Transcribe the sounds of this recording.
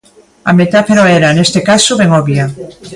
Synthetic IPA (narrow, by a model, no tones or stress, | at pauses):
amet̪afeɾoeɾanest̪ekasoβeŋoβja